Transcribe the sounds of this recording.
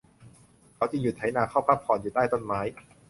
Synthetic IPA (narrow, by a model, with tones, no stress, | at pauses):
kʰa˨˦˥wt͡ɕi˧ŋju˨˩t̪ʰːa˨˦˥jnaː˧kʰaː˥˩wpʰaː˥˩p̚ʰɔː˧˩njuː˨˩t̪aː˥˩jt̪o˥˩nmaː˦˥j